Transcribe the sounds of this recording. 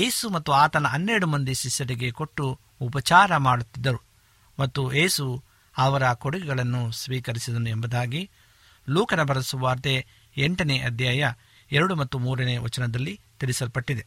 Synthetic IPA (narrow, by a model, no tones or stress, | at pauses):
je̞ːsumɐt̪ːuaːt̪ɐnɐɐnːeɾɐɽumɐnd̪iʃiʃːɐɾiɡe̞koʈːuː | pɐt͡ʃaːɾɐmaːɽut̪ːid̪ːɐɾu | mɐt̪ːujeːsu | ɐʋɐɾɐkoɽuɡɛɡɐɭɐnːusʋiːkɐɾisid̪ɐnuembɐd̪aːɡi | luːkɐnɐbʱɐɾɐɐsuʋaːɾt̪e | eɳʈɐneʔɐd̪ʱjaːjɐ | ɛɾɐɽumɐt̪ːumuːɾɐneːʋɐt͡ʃɐnɐd̪ɐlːit̪iɾisɐɾpɐʈːid̪e̞